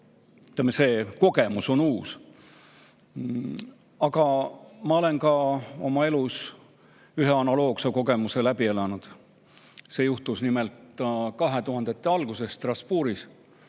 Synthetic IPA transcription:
yt̪ːˑeɑmːese̞ːko̞ɡe̞muso̞nuːs | ɑɡɑmɑo̞le̞nkɑo̞̰mɑe̞lus | yɦeɑnɑlo̞ːkseko̞ɡe̞muse̞læbie̞lɑnud̪̥ | se̞ːjuht̪usnimelt̪kɑɦe̞t̪uɦɑnd̪̥e̞t̪ːˑeɑlɡ̥use̞sːt̪rɑspuːɾis

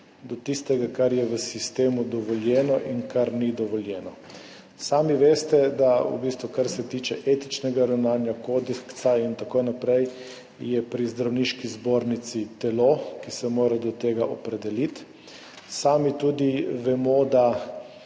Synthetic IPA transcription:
d̪ɔt̪ist̪ɛɡakaɾjɛʋəsist̪eːmud̪ɔʋɔljɛːnɔʔinkaɾnid̪ɔʋɔljɛːnɔ | saːmiʋeːst̪ɛd̪aṵbist̪ʋukaɾsɛt̪iːt͡ʃɛʔeːt̪it͡ʃnɛɡaɾawnaːnjakod̪ɛksaint̪akojnapɾɛj | jɛpɾizd̪ɾawniʃkizboːɾnit̪sit̪ɛlokisɛmoːɾad̪ɔt̪eːɡaʔɔpɾɛd̪ɛlit̪ | saːmit̪ud̪iʋɛmod̪a

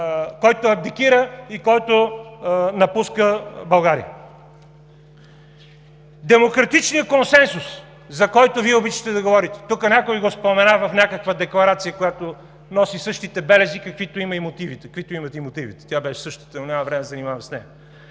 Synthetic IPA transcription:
kɔjt̪oɐb̚d̪ikiɾəikɔjt̪o | nɐpuskəbɐlˠɡaɾḭə̰ | d̪ɛmokɾɐt̪it͡ʃnijəkonsɛnsus | zɐkɔjt̪oviɛobit͡ʃə̥t̪ɛd̪ɐɡovɔɾit̪ɛ̥t̪ukənʲakoiɡospomɛnavɐfnʲakəkvəd̪ɛklˠɐɾat̪sijəkojat̪o | nɔsisɤʃt̪it̪ɛbɛlɛzikɐkvit̪oimɐimot̪ivit̪ɛkkvit̪oimɐt̪ɛimot̪ivit̪ɛ̥t̪jabɛʃɛ̥sɤʃt̪o̥t̪ənonʲamɐvɾɛmɛzɐnimavɐmsnɛjɐ

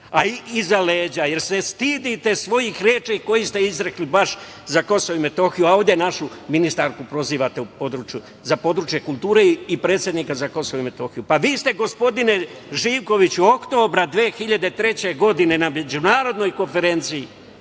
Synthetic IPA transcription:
aiizaleːd͡ʑaje̞ɾse̞st̪iːd̪it̪e̞sʋo̞jixɾjeːt͡ʃeiko̞jist̪eizɾeklibaʃ | zako̞soʋoime̞t̪o̞ːxijuao̞ːʋd̪jenaʃuminist̪aɾkupɾo̞ziːʋat̪eupod̪ɾuːt͡ʃju | zapo̞d̪ɾuːt͡ʃje̞kulˠt̪uːɾeipɾe̞ːt̪sje̞d̪nikazako̞soʋoime̞t̪o̞ːxijupaʋiːst̪e̞ɡo̞spo̞d̪ine̞ʒiːʋko̞ʋit͡ɕuo̞kt̪o̞ːbɾad̪ʋeːxiʎad̪et̪ɾe̞t͡ɕe̞ɡo̞d̪ine̞name̞d͡ʑunaːɾo̞d̪no̞jko̞nfe̞ɾe̞nt̪siji

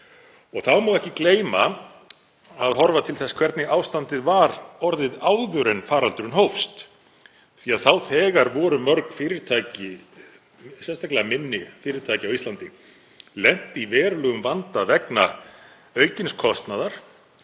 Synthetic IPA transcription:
ɔɣθaðmawɛhcɪkleːjma | aðɦɔɾvat̪ʰɪlθɛskʰv̥ɛɾt̪nɪaːwst̪ant̪ɪðvaɾɔɾðɪðaːwðʏɾɛnfaːɾalt̪ʏɾʏnɦowfst̪ | θiaðθawθɛːɣaɾvɔːɾʏmœɾkfɪːɾɪɾt̪ʰajcɪ | sɛnst̪ʰajklɛɣamɪnːɪfɪːɾɪɾt̪ʰaːjcɪawist̪lant̪ɪ | lɛn̥t̪ivɛːɾlʏɣʏmvant̪avɛkna̰ | œːɥcɪnskʰɔst̪naðaɾ̥

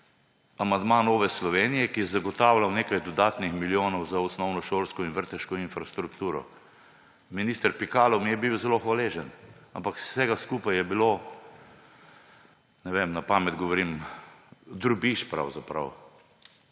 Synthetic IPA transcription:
amand̪manoːʋɛslɔʋeːnijɛkijɛzaɡɔt̪awlawneːkajd̪ɔd̪aːt̪nixmiljoːnɔwzaɔsnɔwnɔʃolskɔinʋəɾt̪ɛʃkɔinfɾast̪ɾukt̪uːɾɔ̰ | miniːst̪əɾpikaːlɔmijɛbiwzɛloxʋaleːʒɛnampaksɛɡaskuːpajjɛbilo | nɛʋemnapaːmɛd̪ɡɔʋɔɾim | d̪ɾubiʃpɾa̰wzapɾa̰w

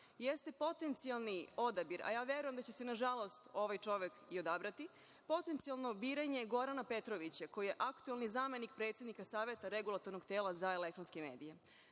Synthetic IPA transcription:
jest̪e̞po̞t̪e̞nt̪sialˠnio̞d̪abiɾa̰jaːʋje̞ɾujemd̪at͡ɕese̞naʒalˠo̞st̪o̞ʋajt͡ʃo̞ʋe̞kio̞d̪abɾat̪i | po̞t̪ent̪sijalˠno̞biːɾaɲe̞ɡo̞ɾanape̞t̪ɾoʋit͡ɕako̞jije̞ʔakt̪uelnizaːme̞nik̚pɾe̞t̪sje̞d̪nikasaːʋje̞t̪aɾe̞ɡulˠat̪o̞ɾno̞ɡt̪eːlˠazaele̞k̚t̪ɾonskeme̞ːd̪ije

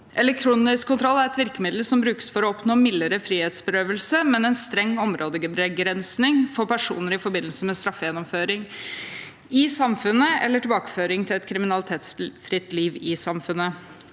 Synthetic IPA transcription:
ʔɛlɛk̚t̪ʰɾuːnɪskkʰːʊnt̪ɾɔlːæɾɛt̪ʋɪɾkəmɪd̪l̩sɔmbɾʉːkə̥sfɔɾɔɔpnoːmɪlːəɾəfɾiːheːt̪sbəɾøːʋəlsəmɛnɛnst̪ɾɛŋːɔmɾʔoːd̪əɡəbɾɛɡɾɛnsnɪŋfɔɾpæʂṵːnəɾɪfɔɾbɪnːlsəmɛst̪ɾɑfːəjɛnːɔmføːɾɪŋ | ɪsɑmfʉnːəɛ̰lːəʈɪlbɑːkə̥føːɾɪŋt̪ʰɪlɛt̪kʰɾɪmɪnɑlɪt̪ʰeːt̪sfɾɪt̪ːliːʋɪsɑmfʉnːə

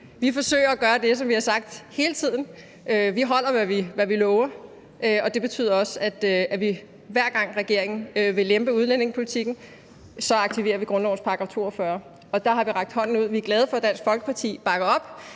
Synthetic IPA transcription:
ʋifɒ̽sø̰ːɪɐæɡ̥ɶːɐd̥e̝s̬ɒ̽mʋihɑ̈sɑ̈ɡ̥̚d̥he̝ːlət͡sʰið̞̰ˠn̩ | øʋiɦɒ̽l̰ɐʋæʋiʋæʋilɔːʊɐ | ʔøɒ̽d̥e̝b̥e̝t͡sʰy̰ð̰ˠɐɒ̽sæd̥æʋi | ʋæɐ̰ɡ̥ɑ̈ŋ̰ʁɛɡ̥e̝ɐ̰e̝ŋn̩øʋe̝lemb̥əuð̞ˠlene̝ŋspʰo̝lit͡sʰiɡ̥n̩ | sɒ̽ɑ̈ɡ̥̚t͡sʰiʋe̝̰ːɐʋiɡ̥ʁɔ̽nlɒʊnspʰɑ̈ɡ̥ʁɑt͡sʰo̝̰ːɒfɶːɐ | ɒ̽d̥ɑ̈ɦɑ̈ʋiʁɑ̈ɡ̥̚d̥hɒ̽n̰n̩uð̰ˠʋiæɐɡ̥lɛːð̞̩ˠfɒ̽d̥æn̰sɡ̥fɒlɡ̥ə̥pʰɑ̈t͡sʰḭːb̥ɑ̈ɡ̥ɐɒ̽b̥

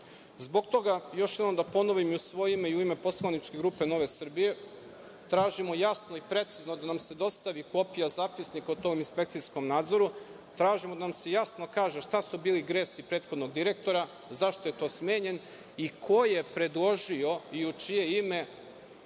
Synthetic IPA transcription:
zbo̞ɡt̪o̞ɡajo̞ʃjed̪omd̪apo̞noʋimiusʋo̞jeime̞iuime̞po̞slˠanit͡ʃke̞ɡɾuːpeno̞ʋe̞sr̩bije̞ | t̪ɾaːʒimo̞jasno̞ipɾe̞t̪siznod̪anamse̞d̪o̞st̪aʋiko̞pijazaːpisnikaut̪oːminspek̚t̪sisko̞mnaːd̪zo̞ɾu | t̪ɾaːʒimod̪anamsejasnokaːʒeʃt̪asubiːliɡɾeːsipɾe̞ːt̪xod̪no̞ɡd̪iɾe̞k̚t̪o̞ɾa | zaʃt̪o̞jet̪o̞ːsme̞ːɲe̞n | ikʰo̞jepɾe̞d̪lˠo̞ʒio̞iut͡ʃije̞ime̞

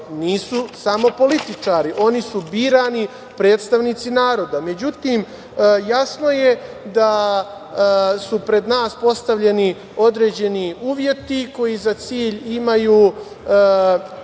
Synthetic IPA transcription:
niːsusamo̞po̞lit̪it͡ʂaːɾiʔo̞nisubiːɾani | pɾe̞ːt̪st̪aʋnit̪sinaːɾo̞d̪ame̞d͡ʑut̪iːm | jasno̞je | d̪a | supɾe̞d̪naːspo̞st̪aʋʎe̞ni | o̞d̪ɾe̞ːd͡ʑe̞niuːʋje̞t̪iko̞jizat̪siːʎimajuː

